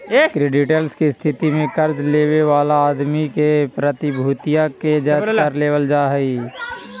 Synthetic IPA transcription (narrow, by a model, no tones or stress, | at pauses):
kɾeːɖɪʈəlskist̪ʰɪt̪imẽkəɾd͡ʒleːweʋaːlaːd̪mikepɾət̪ɪbʱuːt̪ijaked͡ʒaəɾleːʋəld͡ʒaːɦəiː